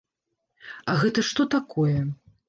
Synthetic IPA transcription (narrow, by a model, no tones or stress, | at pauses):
ɐɣɛt̪ɐʂt̪ɔt̪akʰɔjɛ